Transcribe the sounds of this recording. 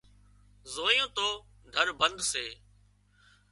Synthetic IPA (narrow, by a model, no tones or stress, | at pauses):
zoːjõːt̪oː | d̪ʱəɾbənd̪seː